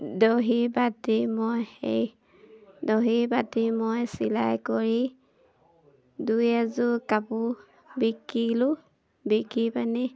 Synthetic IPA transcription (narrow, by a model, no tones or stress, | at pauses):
doɦibatimojḛj | doɦibatimojsila̰jkɔɹi | dujazʊkapu | bikilʊ | bikipani